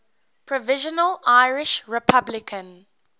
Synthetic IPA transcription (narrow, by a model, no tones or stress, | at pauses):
pʰɹɔvɪʒənəlaɪɹɪʃɹɛpʰablɪkʰə̃n